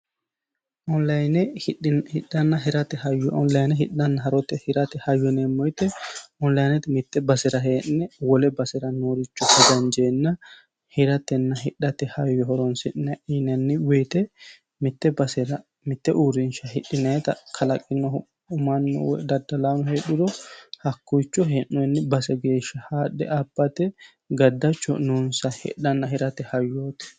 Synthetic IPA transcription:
ʔɔnlɐjnɛhɪɗɐnːɐɦɪɾɐt̪ɛhɐjːɔɔnlɐjnɛɦɪɗɐnːɐɦɐɾɔt̪ːɛhɪɾɐt̪ɛhɐjːɔnemːɔjt̪ɛɔnlɐjnɛt̪ɛmɪt̪ːɛbɐsɛɾɐɦeːnːɛwɔlɛbɐsɛɾɐnoːɾɪt͡ʃːɔtːɛd̪ɐnd͡ʒeːnːɐ | hɪɾɐt̪ːɛnːɐɦɪᶑɐt̪ːɛhɐjːɔɦɔɾɔnsɪnːɛʔinɛnːɪweːt̪ɛ | mɪt̪ːɛbɐsɛɾɐ | mɪt̪ːɛʔuːɾɪnʃɐhɪᶑːɪnɐɛt̪ɐkʰɐlɐkʼːɪnːɔ | ʊmɐnːɔ̰w̰d̪ɐd̪ːɐlaːnɔheːɗːʊd̪ɔhɐkːʊjt͡ʃːɔɦɛnːɔnːɪbɐsɛɡeːʃɐhaːɗːɛ̰ʔɐbːɐt̪ɛ | ɡɐd̪ːɐt͡ʃːɔ̰nunsɐhɪ̰ᶑɐnːɐɦɪɾɐt̪ɛhɐjːoːt̪ɛ̥

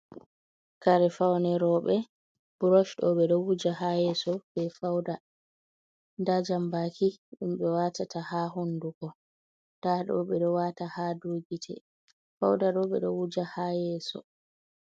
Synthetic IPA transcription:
kaɾɛfawnɛɾɔɓɛ | b̥uɾɔʃɗɔɓɛɗɔwud͡ʒaɦajɛsɔb̥ɛfawda | ndad͡ʒambakʰiɗumɓɛwatatʰahaɦondukɔ | d̥aɗɔ̰ɓɛɗɔwatahadoɡitʰɛ̰ | fa̰wdaɗɔɓɛɗɔwud͡ʒahajɛsɔ̰

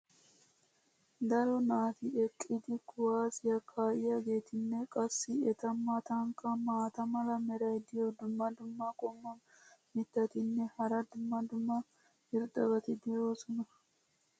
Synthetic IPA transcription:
d̪ɐɾɔnaːt̪ɪɛkʼːɪd̪ɪkʊwaːsɪjɐkʰaːʔɪjaɡe̞ːt̪ɪnːɛkʼɐsːɪɛt̪ɐmːat̪ɐŋkʼːɐmaːt̪ɐmɐlɐmɛɾɐjd̪ɪjɔd̪ʊmːɐd̪ʊmːɐkʼɔmːɐn | mɪt̪ːɐt̪ɪnːɛhɐɾɐd̪ʊmːɐd̪ʊmːɐ | hɪɾd̪ʼɐɡɐt̪ɪd̪eːosɔnɐ

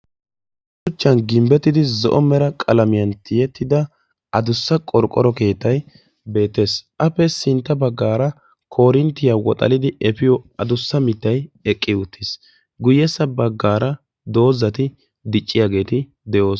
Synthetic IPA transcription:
sʊt͡ʃːɐnɡɪmbɛt̪ːɪd̪ɪzɔ̰ʔɔmɛɾɐkʼɐlɐmɪjɐnt̪ʰɪjɛt̪ːɪd̪ɐ | ɐd̪ʊsːɐkʼɔɾkʼːɔ̰ɾɔke̞ːt̪ːɐj | be̞ːt̪ːe̞ːsʔɐpːɛsɪnt̪ːɐbɐɡːaːɾɐ | kʰo̞ːɾɪnt̪ːɪjawɔt̪ʼɐ̰lɪd̪ɪɛpɪjɔɐd̪ʊsːɐmɪt̪ːɐjɛkʼːɪʊt̪ːɪs | ɡʊjːɛsɐbɐɡːaːɾɐ | d̪o̞ːzɐt̪ɪ | d̪ɪt͡ʃʼːɪjaːɡe̞ːt̪ɪ | d̪ɛʔo̞ːs

